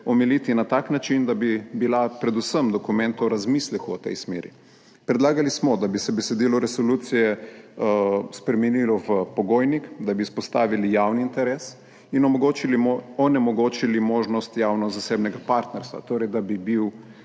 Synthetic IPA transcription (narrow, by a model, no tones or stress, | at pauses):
ɔmɛlit̪inat̪aːknat͡ʃind̪abibilapɾɛd̪usəmd̪ɔkumɛ̃nt̪ɔɾazmislɛkuɔt̪ɛ̰jsmeːɾḭ | pɾɛd̪laːɡalismɔd̪abisɛbɛsɛd̪iːlɔɾɛsoluːt̪sijɛ | spɾɛmɛnilɔʋəpɔɡoːjnikd̪abispɔst̪aːʋilijaːwniːnt̪ɛɾɛs | inɔɡot͡ʃiliɔnɛmɔɡoːt͡ʃilimoːʒnɔst̪jaːwnɔzaseːbnɛɡapaɾt̪nɛɾst̪ʋa̰t̪oːɾɛjd̪abibiw